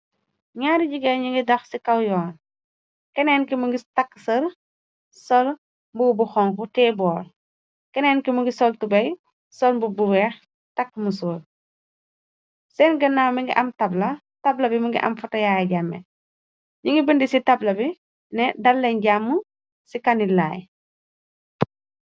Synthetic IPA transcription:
ɲaːɾiɟiɡɛɲiŋɡidɐxsikɐwjɔːn | kɛnɛːnkimuŋɡitɐkːsɐr | sɔl | mbubuxɔŋkutɛːbɔːr | kɛnɛːnkimuŋɡisɔltubɐj | sɔlmbubuwɛːx | tɐkːmusoːl | sɛnɡɐnːaːmiŋɡḭʔɐmtɐblɐ | tɐblɐbimɐŋɡḭʔɐ̰mfɐtɐjaːjɐɟamːɛ̰ | ɲuŋɡibəndisitɐblɐbi | nɛdɐlːɛɲɟamːu | sikɐnila̰ːj

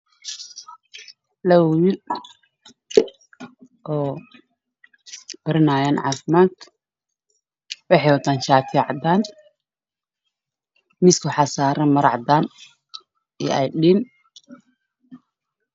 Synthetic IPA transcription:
lɐwjɪ | ʔɔː | b̥ɐɾɪnaːjaːnʕɑ̰ːfɪmaːt̪ʰ | wɑħɑjwɐd̪aːnʃaːt̪ʰɛʕɑd̪aːn | mɪskʰʊħɑsaːɾɐmɐɾɑ̰ʕd̪aːn | ɛ̰ɛjɗin

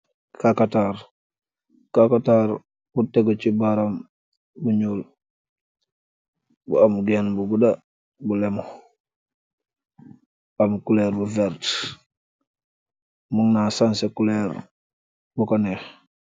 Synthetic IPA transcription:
kakataɾ | kakataɾ | buteɡot͡ʃibaɾam | buɲuːl | bṵamɡenbuɡuda | bulemo | amkulɛɾbuvɛɾt | muŋnasansekulɛɾ | bukanex

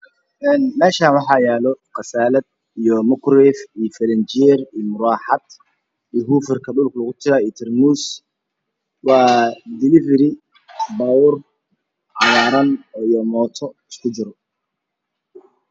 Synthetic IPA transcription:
ʔɛːnmɛːʃaːnwɑħɑjɛːlɔqɑsaːlɐd̪̚ | ijɔmʊkɾɛːfiːjfɐlɛnt͡ʃɪɛriːjmʊɾaːħɑd̪ | ijɦuːfɪrkʰɐɗʊlkʰlɐɣʊt̪ʰɪɾaːiːt̪ʰɛrmuːs | wɑːd̪ɪlɪvɛɾɪ | baːwʊr | ʕɑwaːɾɐnijɔmɔːt̪ʰɔɪskʰʊd͡ʒɪɾɔ

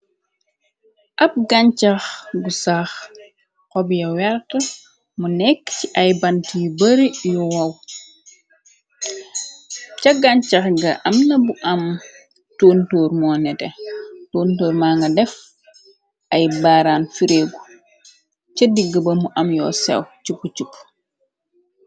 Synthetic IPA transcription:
ʔɐp̚ɡaɲt͡ʃaxɡusax | kɔbjɐwɛɾtɐ | munɛkːciʔɐjbantiːbɐɾijuwɐw | cɐɡaɲt͡ʃɐxɡɐʔɐmnɐbuʔɐm | toːntoːɾmɔːnɛtɛtoːntoːɾmaːŋɡɐdɛf | ʔɐjbaːɾaːnfiɾeːɡu | t͡ʃɐdiɡəbɐmuʔɐmjɔ̰ːsɛ̰wt͡ʃupːut͡ʃup

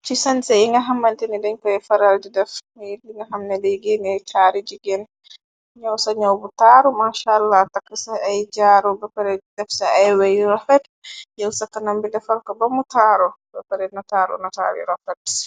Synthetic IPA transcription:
t͡ʃisɐnsɛiŋɡɐɦɐmːɐntɛnidɛɲkɔɛfɐɾaldidɛf | diŋɡɐɦamnɛdɛɡɛniɛjtʰaːɾid͡ʒiɡɛn | ɲawsɐɲawbutaːɾɔmaːʃalːatɐkːɐsaajd͡ʒaːɾɔbɛpɐɾɛdɛfsaajwajɾɔfɛt | jɛwsɐkːɐnɐmbilɛfɐɾkɐbɐmutaɾɔbɛpɐɾɛnɔtaːɾɔ̰nɐta̰ːɾḭɾɔfɛt

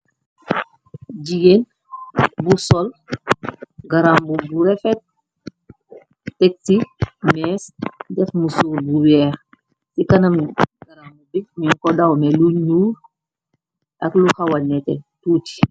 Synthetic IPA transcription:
d͡ʒijen | busɔl | ɡaɾambubuɾɛfɛt̚ | tɛk̚timɛsdɛfmusulbuwɛːɾ | sikanɐmɡaɾambubimiŋkɔdawmɛluɲuːɾ | ʔakluhawanɛtɛ̰tuːti̥

